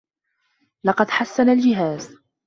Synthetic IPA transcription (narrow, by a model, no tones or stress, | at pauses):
lɑqɑd̪ħasːanald͡ʒɪɦaːz